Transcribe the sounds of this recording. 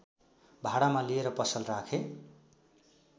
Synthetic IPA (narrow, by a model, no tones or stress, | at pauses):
bʱaɽamalieɾʌpʌsʌlrakʰe